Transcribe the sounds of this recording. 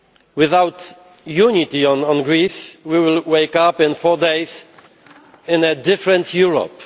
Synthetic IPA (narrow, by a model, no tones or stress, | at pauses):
wɪðawt | junit̪iɔ̃nɔ̃nɡɹiswiwɪlweɪkapɪ̃nfɔɹdeɪs | ɪ̃nɛdɪfɹɛ̃ntjuɹɔ̰p